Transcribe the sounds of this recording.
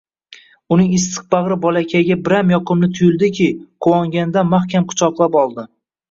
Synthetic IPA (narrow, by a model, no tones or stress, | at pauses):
ʊnɪŋɪst̪ʰɨ̥q̚bɑʁɾɪbɒlakʲʰaɡʲabɪɾamjɒqʰɨmnɪt̪ʰʊjɪlˠd̪ɪkʲʰɪqʰowɒŋɡʲand̪amaχkʲamqʰʊ̥t͡ʃʰɒqlˠapɒlˠd̪ɪ